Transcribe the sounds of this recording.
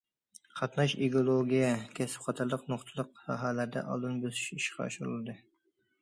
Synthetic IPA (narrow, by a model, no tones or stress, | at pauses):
qʰɑt̪nɑʃiɡolˠoɡʲijɛkʲʰɛsɪ̥pχɑt̪ʰɑɾlˠəqnoχt̪ʰɨlˠəq̚ɑɦɑːlæɾd̪ɛ̰ʔɑ̰lˠd̪ɨnbøzyʃiʃqʰɑ̰ɑ̰ʃuɾɨlˠɨd̪ɨ